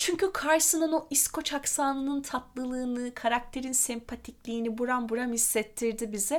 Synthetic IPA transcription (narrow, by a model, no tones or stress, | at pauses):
t͡ʃʰyɲcykʰaɾsɯnɯnoʔiskʰo̞t͡ʃʰaksaːnɯnɯnt̪ʰat̪lˠɯlˠɯːnɯkʰaɾak̚t̪ʰe̞ɾinsɛmpʰat̪ʰiclʲiːnibuɾanbuɾamhisːɛt̪ʰːiɾd̪ibizɛ